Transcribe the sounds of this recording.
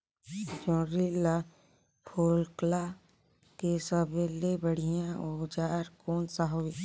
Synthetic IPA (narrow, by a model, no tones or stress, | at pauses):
d͡ʒõːɾila | pʰoːlkla | kesəbelebəɽ̤ijãod͡ʒaːɾkoːnsaɦoi